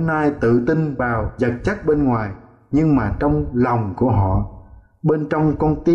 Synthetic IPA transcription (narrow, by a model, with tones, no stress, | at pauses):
naː˧jt̪ɨ̰˧˨t̪i˧nvaː˨˩wzə˨˩t̚t͡ɕa˦˥k̚ɓe˧nŋwaː˨˩j | ɲɨ˧ŋmaː˨˩t͡ɕɔ˧wŋ͡mla˨˩wŋ͡mku˧˩əɦɔ̰˧˨ | ɓe˧nt͡ɕɔ˧wŋ͡mkɔ˧nt̪i˧